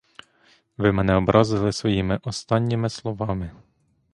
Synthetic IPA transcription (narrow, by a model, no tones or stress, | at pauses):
ʋɪmɛnɛɔbɾʔɑzɪlˠɪsʋɔjimɪʔɔst̪ɑnʲːimɪslˠɔʋɑmɪ